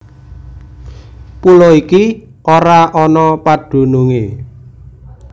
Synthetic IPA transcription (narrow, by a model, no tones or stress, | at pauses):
pulɔiki | ʔoɾaʔɔnɔpad̥ṳnuŋe